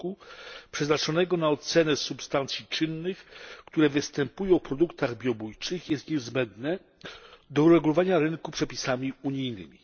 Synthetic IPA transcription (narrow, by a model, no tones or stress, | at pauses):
upʂɛznat͡ʂɔnɛɡɔnaɔt̪sɛnɛsupst̪ant̪sʲjit͡ʂɘnːɘxkt̪uɾɛvɘst̪ɛmpujɔ̃w̃fpɾɔd̪ukt̪aɣbʲjɔbujt͡ʂɘxjɛst̪ɲɛzbɛnd̪nɛ | d̪ɔuɾɛɡulɔvaɲaɾɘnkupʂɛpʲisamʲiuɲijnɘ̰mʲi